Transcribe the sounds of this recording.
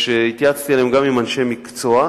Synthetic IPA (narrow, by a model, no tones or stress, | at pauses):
ʃeit̪jat͡st̪ielemɡamimanʃe̞jmikt͡soa